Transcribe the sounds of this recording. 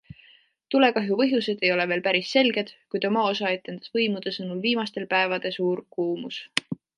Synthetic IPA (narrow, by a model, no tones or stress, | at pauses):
t̪ule̞kɑɦjupɤ̞ɦjuse̞d̪̥e̞jo̞le̞veːlpæɾisːe̞lɡ̥e̞d̪̥kujd̪o̞mɑo̞sɑe̞t̪ːˑe̞nd̪̥ɑ̥svɤjmud̪̥esɤnulviːmɑst̪e̞lpæevɑd̪̥e̞suːɾkuːmus